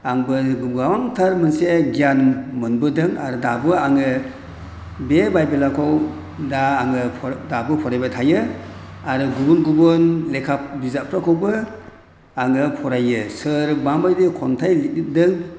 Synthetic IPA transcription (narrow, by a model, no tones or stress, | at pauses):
aŋbɯɡumɡawaŋtʰaɾmɯnseɡijanmɯnbɯdɯŋa̰ɾɯdabɯaŋɯ | bebajbelakʰɔw | daːŋɯpʰdabɯpʰɔɾajbatʰajɯ | aɾɯɡubunɡubɯnlekʰap̚bizapʰɾakʰɔwbɯ | aŋɯpʰɔɾajɯsɯɾbambajdekʰɔntʰajlidɯŋ